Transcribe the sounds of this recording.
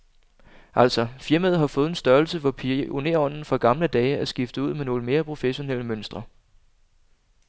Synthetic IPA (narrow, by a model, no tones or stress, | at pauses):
ʔæl̰sɒ̽fiɐmæð̞̩̰ˠɦɑ̈fɔ̽ːð̞̩ˠensd̥ɶɐlsəʋɒpʰione̝ɐɒ̽n̰n̩fɒ̽ɡ̥ɑ̈mləd̥ɛːɪæsɡ̥ifd̥əuð̰ˠmeno̝ːləme̝ːɐpʰʁo̝feɕo̝nel̰əmønsd̥ʁɐ